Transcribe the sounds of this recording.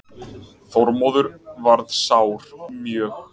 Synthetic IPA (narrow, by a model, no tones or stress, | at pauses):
θɔɾmɔːðʏɾvaɾðsaːwɾ̥mjœːx